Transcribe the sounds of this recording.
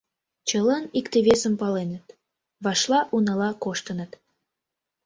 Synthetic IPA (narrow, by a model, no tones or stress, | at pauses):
t͡ɕəlɑnikt̪eβesəmpɑlenət̪ | βɑʃlɑʔunɑlɑkoʃt̪ənət̪